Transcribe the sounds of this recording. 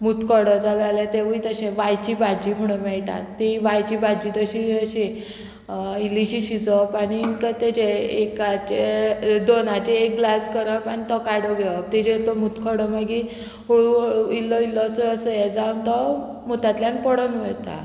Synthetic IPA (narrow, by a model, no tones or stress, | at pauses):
mut̪kɔɽɔd͡zalalɛt̪eʋuit̪əɕẽʋajt͡ɕibʱad͡ʑim̤əɽ̃umɛɭʈa̰t̪ːiʋajt͡ɕibʱad͡ʑit̪əɕiəɕẽ | iliɕiɕid͡zɔpaɽ̃iːŋkət̪ed͡ʑeekat͡ɕed̪onat͡ɕeːk̚ɡlaskəɾəpanit̪ɔkaɽɔɡʱɛɔt̪id͡ʑet̪ɔmut̪kʰɔɽɔmaɡi | oɭuilɔilɔsɔəsɔjɛd͡zawnt̪ɔ | mut̪at̪ljanpɔɽənʋəjt̪a̰